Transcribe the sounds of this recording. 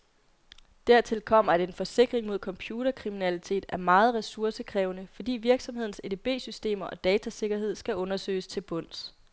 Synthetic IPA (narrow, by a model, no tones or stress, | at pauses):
d̥æɐ̰t͡sʰe̝lkʰɒ̽m̰ɐædee̝nfɒ̽se̝ɡ̥ʁeŋmo̝ð̞̰ˠkʰɒ̽mpʰjuːɾ̥ɐkʰʁiminælit͡sʰe̝̰ːd̥æɐmɑ̈ːð̞̩ˠʁɛsuɐsəkʰʁɛːʊnəfɒ̽d̥ḭːʋiɐɡ̥sɒ̽mhe̝̰n̩seeb̥e̝̰ːsysd̥e̝̰ːmɐʔɒ̽d̥ɛːt͡sʰæse̝ɡ̥ɐɦe̝ð̞̰ˠsɡ̥æʔɔ̽nɐsø̰ːɪst͡sʰe̝lb̥ɔ̽n̰s